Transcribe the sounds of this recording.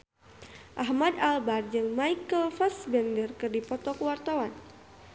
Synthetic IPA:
ʔaɦmadalbard͡ʒɨŋmajkəlfasbɛndərkɨrdipɔt̪ɔkəwart̪awan

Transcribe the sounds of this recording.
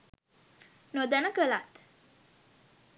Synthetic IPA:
nod̪ɛnəkəlat̪

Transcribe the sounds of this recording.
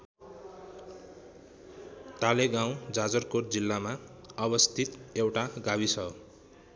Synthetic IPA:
t̪aleɡãw̃d͡zad͡zʌrkord͡zilːama | ʌbʌst̪ʰit̪ewʈaɡabisʰʌ

